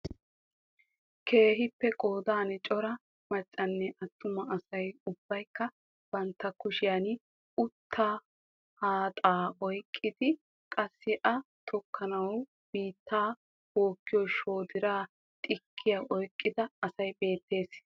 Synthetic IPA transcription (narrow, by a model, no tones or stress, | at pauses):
kʰe̞ːɦɪpːɛkʼoːd̪aːnɛt͡ʃʼɔɾɐ | mɐt͡ʃʼːɐnːɛʔɐt̪ːʊmɐɐsɐjʊb̥ːɐjkːɐ | b̥ɐnt̪ːɐkʊʃɪjɐn | ʊt̪ʰːaː | haːt̪ʼaːʔɔjkʼːɪd̪ɪ | kʼɐsːɪʔɐt̪ʰɔkʰːɐnɐw | b̥iːt̪ːaː | woːkːɪjɔjʃo̞ːd̪ɪɾaː | t̪ʼɪkʰːɪjaʔɔjkʼːɪd̪ɐːsɐjbe̞ːt̪ːe̞ːs